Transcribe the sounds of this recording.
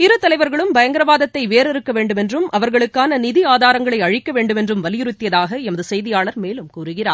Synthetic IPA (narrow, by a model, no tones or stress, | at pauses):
ɪɾɯt̪ɐlɐɪʋɐɾɣɐɭɯmbɐjɐŋɡɪɾɐʋaːðɐt̪ːɐɪʋeːɾɪɾɯkːɐʋeːɳɖɯmɛndrɯmʔɐʋɐɾɣɐɭɯkːaːnɐnɪðiaːðaːɾɐŋɡɐɭɐɪɐɻɪkːɐʋeːɳɖɯmɛndrɯmʋɐlɪjɪɾɯt̪ːɪjɐðaːɣɐɛmɐðɯsɛjðɪjaːɭɐɾmeːlɯmkuːɾɯɣɪraː